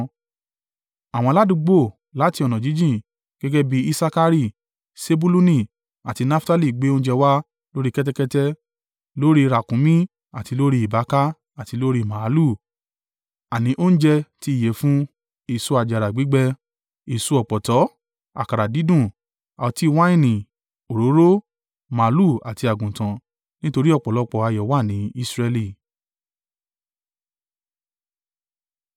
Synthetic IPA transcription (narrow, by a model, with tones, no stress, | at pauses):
a˨w̃ɔ̃˧la˦dũ˧ɡ͡bo˦˨ | la˨˦ti˧ɔ˨nɔ̃˨d͡ʒi˨˦d͡ʒĩ˦˨ | ɡ̥ɛ˦ɡɛ˦bi˦i˦sa˧ka˧ɾi˦˨ | se˦bu˦lu˦nĩ˦˨ | a˨ti˧nã˦fta˦li˦˨ɡ͡be˨˦o˦n̩˦d͡ʒɛ˧wa˦ | lo˦ɾi˦kɛ˦t̬ɛ˦kɛ˦tɛ˦ | lo˦ɾi˦˧ɾa˨kũ˨˦mĩ˦ | a˨ti˧lo˦ɾi˦i˨ba˨˦ka˦ | a˨ti˧lo˦ɾi˦˨mã˨˦lu˦˨ | a˨nĩ˨˦ʔo˦n̩˦d͡ʒɛ˧ti˦i˦˨je˨˦fũ˦ | i˦˨su˧˦a˧d͡ʒa˨ɾa˨ɡ͡bi˨˦ɡ͡bɛ˧ | i˨su˧˦ɔ˨k͡pɔ˨tɔ˨˦ | a̰˨ka˨ɾa˨di˨˦dũ˦˨ | a˨ɔ˧ti˦˧wã˦ĩ˦˨nĩ˨ | o˨ɾo˨˦ɾo˦ | mã˨˦lu˦˨a˨ti˧a˨ɡũ˨tã˨˧ | nĩ˦to˧ɾi˦ɔ˦˨k͡pɔ˨lɔ˨˧k͡pɔ˨a˧jɔ˨˦wa˦˨nĩ˨˦i˦sɾɛ˧li˧˨